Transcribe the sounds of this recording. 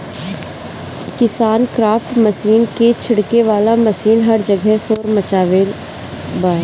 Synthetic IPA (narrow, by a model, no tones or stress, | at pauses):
kɪsaːnkɾaːfʈmɐsiːnket͡ʃʰɪɽkeʋaːlamɐsiːnɦɐɾd͡ʒɐɡɛɦsoːɾmɐt͡ʃaːʋeːl | baː